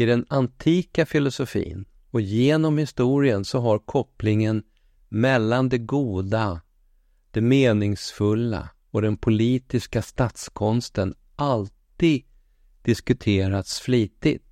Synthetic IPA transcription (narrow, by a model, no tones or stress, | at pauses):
ɪd̪ɛnant̪ʰiːkafɪlʊsʊfḭːn | ɔjeːnɔmhɪst̪uːɾɪənsɔɦaɾkʰɔplɪŋən | mɛlːand̪ɛɡuːd̪a | d̪̥ɛmeːnɪŋsfɵlːa̰ | ɔd̪ɛnpʰʊliːt̪ɪskast̪at̪skʰɔnst̪ən | ʔalt̪iːɡ | d̪̥ɪskɵt̪ʰeːɾat̪sfliːt̪ɪt̪